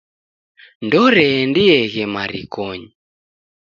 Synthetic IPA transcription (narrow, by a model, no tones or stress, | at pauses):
ndɔɾɛndɪɛɣɛmaɾikɔɲ